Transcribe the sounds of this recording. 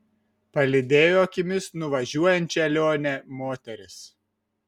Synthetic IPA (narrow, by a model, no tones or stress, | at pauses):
pɐlʲɪd̪ʲeːjoːkʲɪmʲɪsnʊʋɐʒʲuɔjɛnʲt̪ʲt͡ʃʲɛɛlʲoːnʲɛmoːt̪ʲɛɾʲɪs